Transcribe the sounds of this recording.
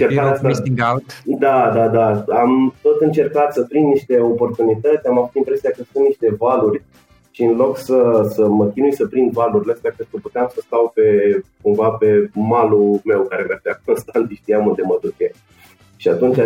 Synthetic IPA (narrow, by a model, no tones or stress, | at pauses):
t͡ʃeɾkaasaiɡalt̪d̪ad̪ad̪aamt̪o̞t̪ɨnt͡ʃe̞rkat̪səpɾinnːiʃt̪e̞o̞po̞rt̪unit̪ət̪sʲamavut̪impɾe̞siakəsunt̪niʃt̪e̞valurʲ | ʃiɨnlo̞ksəsəməkʲinujsəpɾind̪valurʲləst̪apenkuput̪eamsəst̪awpe̞kumvape̞malume̞wkaɾe̞med̪eak̚ʰonst̪ant̪iʃt̪ijamund̪eməd̪ukʲe | ʃiat̪unt͡ʃa